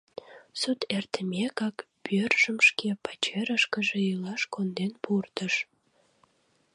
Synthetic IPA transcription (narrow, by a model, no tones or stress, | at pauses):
sut̪ert̪əmʲekɑk | pørʒəmʃkepɑt͡ɕeɾəʃkəʒeylɑʃkond̪enpurt̪əʃ